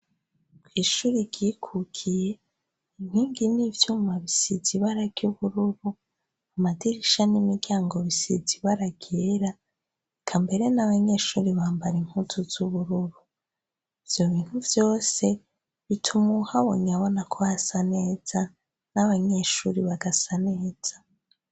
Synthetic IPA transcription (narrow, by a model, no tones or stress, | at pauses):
kʰwiːʃuːɾiɟikʰukʰije̞ | in̥hiːŋɡinivjuːmaβisiziβaɾaɡ̥uβuɾuɾu | amadiɾiʃanimiɡ̥aːŋɡo̞βisḭziβaɾaɡ̥eɾa | kʰambe̞ɾe̞naβaɲe̞ːʃuɾiβaːmbaɾiŋ̥hutʰuz̥uβuɾuɾu | iv̥jo̞βiːn̥huvjo̞ːse̞ | βitʰumuhaβo̰ːɲaβo̞nakʰo̞βaasane̞ːz̥a | naβaɲe̞ːʃuːɾiβaɡasane̞ːz̥ḁ